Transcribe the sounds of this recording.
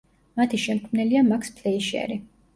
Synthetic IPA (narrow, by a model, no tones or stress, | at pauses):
mat̪ʰiʃɛmkʰmnɛliamakʰspʰlɛiʃɛ̰ɾi